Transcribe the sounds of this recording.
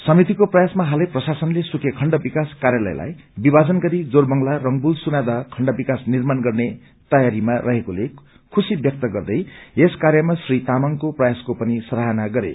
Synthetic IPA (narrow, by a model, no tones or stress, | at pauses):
sʌmit̪ikoprʌjasmaɦalʌprʌsasʌnlesukʰekʰʌɳɖʌbikaskarjalʌ̰j̰lʔa̰j | bibad͡zʌnɡʌɾid͡zorbʌŋlarʌŋbulsunad̪ʌkʰʌɳɖʌbikasnirmanɡʌrne | t̪ʌjaɾimarʌɦekole | kʰusibjʌk̚t̪ʌɡʌrd̪ʌjeskaɾjʌmasrit̪amʌŋkoprʌjaskopʌnisʌɾaɦanaɡʌɾḛ